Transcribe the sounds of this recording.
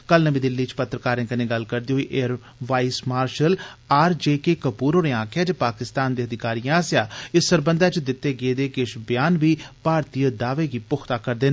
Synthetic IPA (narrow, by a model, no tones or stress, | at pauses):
kəlnəbĩːd̪ɪlːiːt͡ʃpət̪ːɾəkaːɾẽːkəneːɡəlkəɾd̪iːɦoːiːʔeːəɾ | ʋaːismaːɾʃəl | aːɾd͡ʒeːkeːkəpuːɾɦoːneːãːkʰjaːd͡ʒeːpaːkɪst̪aːnd̪eːəd̪ɪkaːɾijãːsjaːɪsːəɾbənd̪aːt͡ʃd̪ɪt̪ːeːɡeːd̪eːkɪʃbɪjaːnʋiːpaːɾt̪ijəd̪aːʋeːɡiːpʊxʰt̪aːkəɾd̪eːn